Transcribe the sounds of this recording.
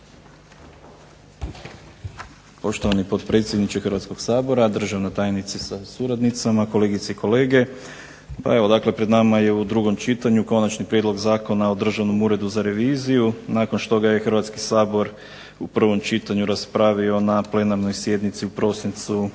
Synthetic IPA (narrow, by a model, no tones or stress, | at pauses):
po̞ʃt̪o̞ʋanipo̞t̪pɾe̞t̪sjed̪nit͡ʃexəɾʋat̪sko̞ɡsaːbo̞ɾad̪r̩ʒaʋnat̪aːjnit̪sesasuɾad̪nit̪samako̞le̞ːɡit̪seiko̞le̞ːɡe̞ | pa̰e̞ʋo̞d̪akle̞pɾe̞d̪namaje̞ud̪ɾuɡo̞mt͡ʃit̪aɲuko̞nat͡ʃnipɾje̞d̪lo̞ɡzaːko̞nao̞d̪r̩ʒaʋno̞muːɾe̞d̪uzaɾe̞ʋiːzijunaːko̞nʃt̪o̞ɡaje̞xrɾʋat̪ski̥saːbo̞ɾ | upr̩ʋo̞mt͡ʃit̪aɲuɾaspɾaʋio̞naple̞naɾno̞jsje̞d̪nit̪siupɾo̞sint̪su